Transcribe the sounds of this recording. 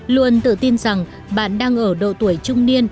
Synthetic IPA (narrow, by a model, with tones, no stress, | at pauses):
lu˧ənt̪ɨ̰˧˨t̪i˧nza˨˩ŋ | ɓa̰ː˧˨nɗaː˧ŋʔəː˧˩ɗo̰˧˨t̪u˧˩əjt͡ɕʊ˧ŋ͡mni˧ən